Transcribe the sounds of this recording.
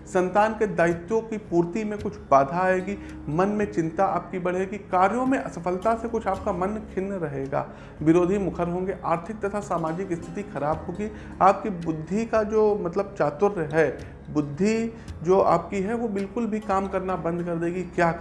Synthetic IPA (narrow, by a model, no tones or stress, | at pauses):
sɐ̃nt̪aːnked̪aːɪt̪jõkipuːɾt̪imẽkʊt͡ʃʰbaːd̪ʱaeːɡi | mɐnmẽt͡ʃɪ̃nt̪aa̰ːp̚kibɐɽ̤eːɡikaːɾjõmẽʔɐsɐfʰəlt̪asekʊt͡ʃʰaːp̚kamɐnkʰɪnːɾɐɦeːɡa̰ː | ʋɪɾoːd̪ʱimʊkʰəɾɦõːŋɡeʔaːɾt̪ʰɪk̚t̪ɐt̪ʰasaːmaːd͡ʒɪkɪst̪ʰɪt̪ixɐɾaːbɦoːɡi | aːp̚kibʊd̪ʱːikad͡ʒoːmɐt̪ləb̚t͡ʃaːt̪ʊɾɦɛ | bʊd̪ʱːi | d͡ʒoːʔa̰ːp̚kiɦɛʋobɪlkʊlbʱikaːmkɐɾnabɐ̃nd̪kɐɾd̪eːɡikjaː